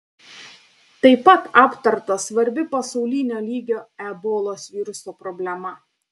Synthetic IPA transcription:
t̪ɐɪpɐt̪ɑːpt̪ɐɾt̪ɐsʋɐɾʲbʲɪpɐsɒʊlʲɪnʲoːlʲiːɡʲoːɛboːlˠoːsʋʲiːɾʊsoːpɾɔbʲlʲɛmɐ

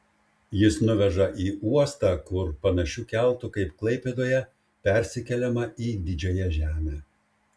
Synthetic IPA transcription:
jɪsnʊʋʲɛʒɐʔiːʔuɔst̪ɑkʊɾpɐnɐʃʲuːkʲɛlˠˑt̪ʊkɐɪpklˠɐɪpʲed̪oːjɛ | pʲɛɾʲsʲɪkʲɛlʲɛmɐiːd̪ʲɪd͡ʒʲoːjɛʒʲæːmʲeː

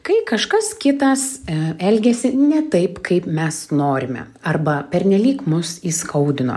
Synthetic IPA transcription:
kɐɪkɐʃkɐskʲɪt̪ɐsɛlʲɡʲɛsʲɪnʲɛt̪ɐɪpkɐɪpmʲɛsnoːɾʲɪmʲɛ̰ | ɐrbɐpʲɛɾʲnʲɛlʲiːkmʊsiːskʰɐʊd̪ʲɪno̰ː

